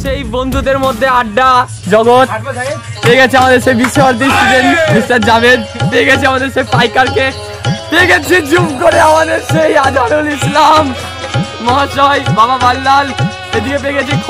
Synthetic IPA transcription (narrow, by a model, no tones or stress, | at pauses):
ʃejbond̪ʱud̪eɾmod̪ʱːeaɖːa | d͡ʑɔɡot̪̚peːɡɛt͡ɕʰeamad̪eɾʃejbiʃːebaɾt̪̬istuʈenbistad͡ʑabed̪peeɡɛt͡ɕʰiamad̪eɾʃejpajkaɾke | peɡɛt͡ɕʰid͡ʑumkoɾeamad̪eɾʃejad̪ʱaɾulislam | mɔɦaʃɔjbababalːal | ed̪ikep̬eːɡɛt͡ɕʰi